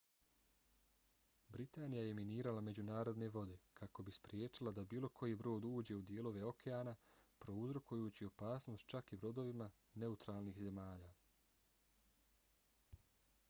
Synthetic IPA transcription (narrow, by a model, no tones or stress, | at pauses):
bɾit̪aːnijaje̞miniːɾalame̞d͡ʑunaːɾo̞d̪ne̞ʋo̞d̪e̞kʰako̞bispɾje̞ːt͡ʃilˠad̪abiːlˠo̞kʰo̞jibɾo̞ːd̪uːd͡ʑe̞ud̪jeːlˠo̞ʋe̞o̞kʰeaːnapɾo̞uzɾo̞kujuːt͡ɕio̞paːsno̞ːst̪̚t͡ʃakibɾo̞d̪o̞ʋima | ne̞ut̪ɾaːlˠniːxze̞maːʎaː